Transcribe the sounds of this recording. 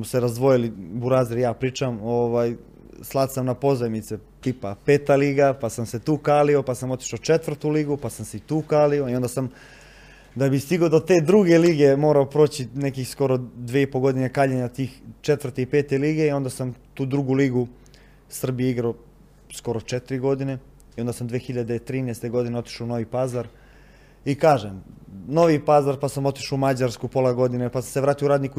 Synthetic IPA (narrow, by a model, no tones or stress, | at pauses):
seɾazd̪ʋo̞jilibuɾaːziɾjaːpɾiːt͡ʃamoːʋaːj | slˠad̪samnapo̞zemit̪set̪iːpapeːt̪aliːɡapasamse̞t̪uːkaːlio̞pasamo̞t̪i̥ʃaot͡ʃet̪ʋvr̩t̪uliːɡupasamseit̪uːkaːlioio̞nd̪asam | d̪abist̪iɡod̪ot̪eːd̪ɾuɡe̞liːɡe̞mo̞ːɾaopɾoːt͡ɕinekixsko̞ɾo̞d̪ʋeipoɡo̞d̪inekaːʎeɲat̪iːxt͡ʃet̪ʋər̩t̪eipe̞ːt̪eliɡe̞io̞nd̪asamt̪uːd̪ɾuɡuliɡu | sr̩bijeiɡɾao | sko̞ɾot͡ʂet̪iɾiɡo̞d̪ine̞ | io̞nd̪asamd̪ʋeːxiʎad̪et̪ɾiːnest̪e̞ɡo̞d̪ineo̞t̪i̥ʃounoʋipazaɾ | ikaːʒemno̞ʋipazaɾpasamo̞t̪i̥ʃoumad͡ʑaɾskupo̞laɡo̞d̪inepaseʋɾaːt̪iouɾaːd̪niku